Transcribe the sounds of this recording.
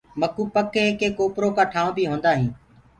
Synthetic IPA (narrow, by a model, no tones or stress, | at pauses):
məkuːpəkekeːkoːpɾoːkaːʈʰaːʋõːbʱiːɦõːnd̪aːɦĩː